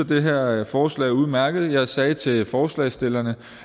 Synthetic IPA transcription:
ɐd̥e̝ɦeɐ̰fɒːslɛ̰ɪuðˠmæɐɡ̥ð̞̩ˠjɑ̈ɪsɛːt͡sʰe̝lfɒːslɛ̰ːɪsd̥e̝l̰ɐnə

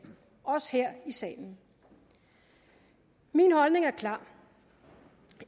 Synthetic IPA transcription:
ɒ̽sheɐ̰isɛ̰ːln̩ | minhɒ̽lne̝ŋæɐkʰlɑ̰̈ː

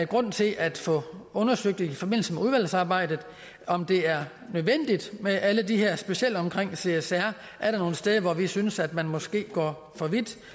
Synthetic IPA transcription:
ɡ̥ʁɔ̽n̰t͡sʰe̝lʔæd̥fɔ̽ɔ̽nɐsøɡ̥̚d̥ifɒ̽b̥e̝n̰l̩səmeuð̞ˠʋæl̰sɑ̈ːb̥ɑ̈ɪ̰d̥ð̩ˠ | ɒ̽md̥e̝æɐ | nøðˠʋen̰d̥id̥meʔæləd̥iɦeɐ̰sb̥e̝siel̰d̥ɒ̽mkʰʁeŋ̰se̝esæɐ̰ | ʔæɐɾɑ̈no̝ːn̩sd̥eːðˠəʋɒʋisynəsæd̥mænmɒ̽sɡ̥e̝̰ːɡ̥ɒ̰ː | fɒ̽ʋid̥

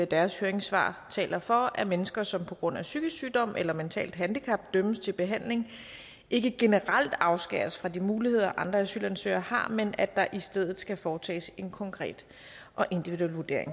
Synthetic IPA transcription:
æd̥æɐshøːɐeŋsʋɑ̰̈ːt͡sʰɛ̰ːlɐfɒ̽æmenəsɡ̥ɐsɒ̽mpʰɒ̽ɡ̥ʁɔ̽n̰æsyɡ̥əsyːd̥ɒ̽m̰ʔelɐment͡sʰɛ̰ːld̥ɦænd̥ikʰɑ̈b̥̚d̥øməst͡sʰe̝lb̥e̝ɦæn̰le̝ŋ | ʔe̝ɡ̥əɡ̥e̝nəʁal̰d̥ɑ̈ʊsɡ̥ɛ̰ːɐsfʁɑ̈dimuːlihe̝ð̞̰ˠɐʔɑ̈nd̥ʁɐæsylænsø̰ɪɐhɑ̈menæd̥ɑ̈ʔisd̥eð̞̰ˠð̩ˠsɡ̥æfɒːt͡sʰɛ̰ːse̝nkʰɒ̽ŋkʰʁɛ̰ːd̥ | ʔɒ̽ʔe̝nd̥iʋiðuelʋuɐd̥e̝ɐ̰e̝ŋ

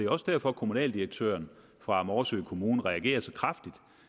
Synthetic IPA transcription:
e̝ɒ̽səd̥æɐ̰fɒ̽kʰo̝munɛ̰ːld̥iʁeɡ̥̚t͡sʰø̰ːɐn | fʁɑ̈æmɒːɐsø̰ːɪkʰo̝muːn̩ʁɛæɡ̥e̝̰ːɐsɒkʰʁafd̥id̥

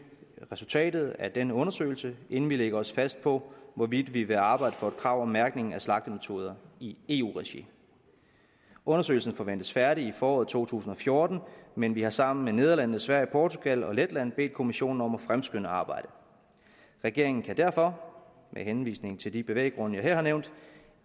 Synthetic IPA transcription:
ʁɛsult͡sʰɛ̰ːd̥ð̞̩ˠæɐd̥enəɔ̽nɐsø̰ɪlsəe̝n̩ʋileɡ̥ɐɒ̽sfæsd̥̚pʰɒ̽ʋɒʋid̥ʋiʋe̝ɑ̈ːb̥ɑ̈ɪdəfɒ̽d̥kʰʁɑ̈ʊ̰ɒmæɐɡ̥ne̝ŋŋ̩æslɑ̈ɡ̥̚d̥əmet͡sʰo̝ːð̞ˠɐie̝̰ːṵːʁɛɕḭ | ɔ̽nɐsø̰ːɪlsn̩fɒ̽ʋen̰d̥əsfæɐɾiifɒːɒːð̩ˠt͡sʰo̝̰ːt͡sʰṵːsn̩ɒ̽fjo̝ɐd̥n̩menʋihɑ̈sɑ̈m̰n̩mene̝ðˠɐlæn̰ð̩ˠsʋæɐjipʰɒːt͡sʰuɡ̥ælɒ̽led̥læn̰b̥e̝̰ːd̥̚kʰo̝miɕo̝̰ːn̩ɒ̽mæfʁamsɡ̥ønəɑ̈ːb̥ɑ̈ɪ̰d̥ə | ʁɛɡ̥e̝ɐe̝ŋn̩kʰæd̥æɐ̰fɒ̽ | mʔeɦenʋḭːsne̝ŋ̩t͡sʰe̝ld̥ib̥e̝ʋḛːɡ̥ʁɔ̽nəjɑ̈heɐhɑneʊnd̥

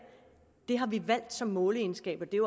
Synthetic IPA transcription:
d̥e̝ɦɑ̈ʋiʋæl̰d̥sɒ̽mːɔːləe̝nsɡ̥ɛ̰ːb̥ɐd̥e̝

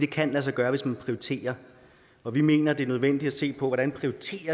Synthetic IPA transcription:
d̥e̝kʰænlæs̬ɑ̈ɪɡ̥ɶːɐʋe̝smænpʰʁioit͡sʰe̝̰ːɐ | ɒ̽ʋime̝̰ːnɐd̥e̝æɐnøð̞ˠʋen̰d̥id̥æse̝̰ːpʰɒ̽ʋɒɾ̥ænpʰʁioit͡sʰe̝̰ːɐ

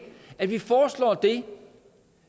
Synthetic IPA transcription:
æʋifɒːslɒ̰ːd̥e̝

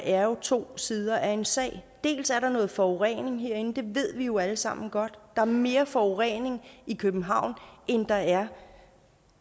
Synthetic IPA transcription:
ʔæɐjo̝t͡sʰo̝̰ːsiːð̞ˠɐʔæɐe̝nsɛ̰ːɪ̰d̥e̝̰ːlsæɐɾɑ̈nɔ̽ːð̩ˠfɒoʁɛ̰ne̝ŋɦeɐ̰en̩d̥e̝ʋe̝ð̞̰ˠʋijo̝æləsɑ̈m̰n̩ɡ̥ɒ̽d̥d̥ɑ̈æɐme̝ːɐfɒoʁɛne̝ŋikʰøb̥m̩ɦɑ̈ʊ̰nʔend̥ɑ̈æɐ

